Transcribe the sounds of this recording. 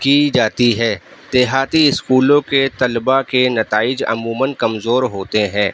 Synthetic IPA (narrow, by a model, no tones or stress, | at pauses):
kid͡ʒaːt̪iɦɛːd̪̥eːɦaːt̪iɪskuːlõket̪ɐlbakenɐt̪aːɪd͡ʒɐ̰muːmənkɐmzoːɾɦoːt̪eɦɛ̃ː